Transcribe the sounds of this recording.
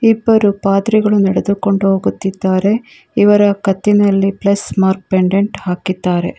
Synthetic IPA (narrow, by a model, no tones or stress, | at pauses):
ibːɐɾupaːd̪ɾiɡɐɭunɛɽed̪uko̞ɳɖuɦoːɡut̪ːid̪ːaːɾe̞ | iʋɐɾɐkɐt̪ːinɐlːiplɐsmaːɾk̚peɳɖeɳʈhaːkid̪ːaːɾe̞̰